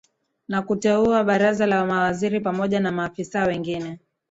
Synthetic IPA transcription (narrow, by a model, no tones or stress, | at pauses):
nakutɛuaɓaɾazalawamawaziɾipamɔʄanamaːfisawɛŋɡinɛ